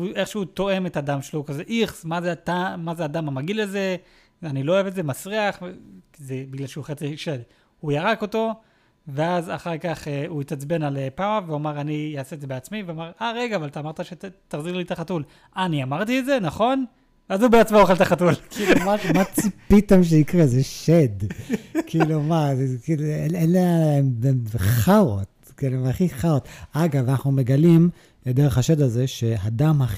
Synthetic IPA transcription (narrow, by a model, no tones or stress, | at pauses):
uʔe̞χʃeut̪o̞e̞me̞tadamʃelokaze̞ʔiχsmazeatamazeadamamaɡileze̞ | anilo̞oevetze̞mat͡sʁiaχkizebiɡlalʃeuχet͡siʃel | hujaʁako̞to̞ | ve̞aza̰χaʁkaχeuit̪at͡sbe̞nalepaaveomaʁanijaːseetdzebeat͡smiveomaʁʔaʁeɡaːvalt̪aːmaʁtaʃet̪aʁziʁlit̪aχatul | aniamaʁt̪ietzenaχo̞n | veazubeat͡smooχelt̪aχatulkiːumamat͡sipit̪emʃ̬eikʁezeʃed̪kʰiːlumakiluenenleemenχaʁot̪ | kiluaχiχaʁot̪aɡavanaχnume̞ɡalim | led̪eʁeχaʃed̪aze̞ʃeɦad̪amha